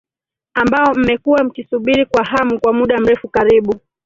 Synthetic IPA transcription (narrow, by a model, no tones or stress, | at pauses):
ambaɔm̩mɛkuwam̩kisuɓiɾikwahamukwamuɗam̩ɾɛfukaɾiɓu